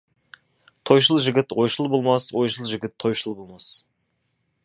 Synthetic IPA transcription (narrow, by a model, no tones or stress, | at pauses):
t̪ʰo̞jʃəlˠʒɪɡʲɪt̪wojʃəlˠbolˠmɑswojʃəlˠʒɪɡʲɪt̪ʰːo̞jʃəlˠbolˠmɑs